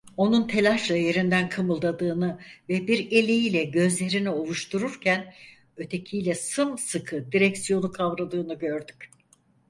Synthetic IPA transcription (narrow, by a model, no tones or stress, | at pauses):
o̞nunt̪ʰe̞lʲaʃlˠaje̞ɾind̪ænkʰɯmɯlˠd̪ad̪ɯːnɯvɛbiɾe̞lʲejilʲɛɟø̞zlʲe̞ɾinio̞lˠuʃt̪ʰuɾuɾcʰæn | ø̞t̪ʰe̞cʰijlʲɛsɯmsɯkʰɯd̪iɾɛcsijo̞nukʰavɾad̪ɯːnɯɟø̞ɾd̪yc